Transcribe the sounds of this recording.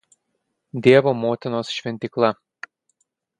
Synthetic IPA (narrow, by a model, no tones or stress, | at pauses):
d̪ʲeːʋomot̪ʲɪnosʃʲʋʲɛnʲt̪ʲɪklˠɑ